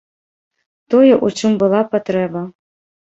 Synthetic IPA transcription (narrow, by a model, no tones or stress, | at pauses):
t̪ɔjɛʔut͡ʂɨmbɨlˠapat̪ɾɛbɐ